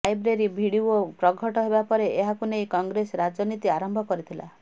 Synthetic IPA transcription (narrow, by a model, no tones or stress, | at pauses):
ajbɾeɾibʱiɽiuopɾɔɡʱɔʈɔɦebapɔɾeeɦakunejkɔŋɡɾesɾad͡ʒɔnit̪iaɾɔmbʱɔkɔɾit̪ʰila̰